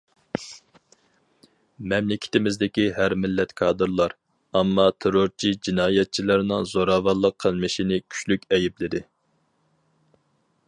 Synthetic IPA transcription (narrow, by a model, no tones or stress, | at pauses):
mɛmlɪkʲʰɪ̥t̪ʰɪmɪzd̪ɪkʲiɦæɾmɪlːɛt̪kʰɑːd̪ɨɾlˠɑɾ | ɑmːɑt̪ʰeɾoɾt͡ʃʰid͡ʒinɑːjɛt̪̚t͡ʃʰilˠɨɾnɨŋzoɾɑːvɑlˠːəqʰːəlˠmɨʃinɪkʲʰy̥t͡ʃlykʲɛjɪplɪd̪ɪ